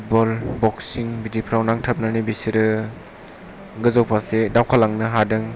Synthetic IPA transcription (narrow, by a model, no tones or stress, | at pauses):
ut̚bɔlbɔksiŋbidipʰɾawnaŋtʰəp̚nanibisiɾɯ | ɡɯzawpʰasedawkʰalaŋnɯɦadɯŋ